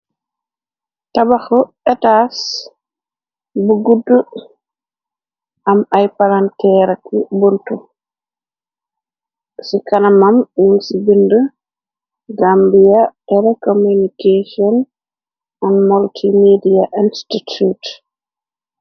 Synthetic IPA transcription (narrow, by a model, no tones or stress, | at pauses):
tabaxɔ | ɛtas | buɡudːu | ʔamajpalantɛɾakibuntu | sikanamamjunsibində | ɡambijatɛlɛkomunikesiɔn | ɔnmaltʰimidiaʔinstitut